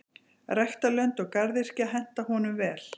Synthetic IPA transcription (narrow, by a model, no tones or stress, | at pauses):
rɛxt̪alœnt̪ɔɣkaɾðɪr̥cɪaɦɛn̥t̪aɦɔnʏmvɛːl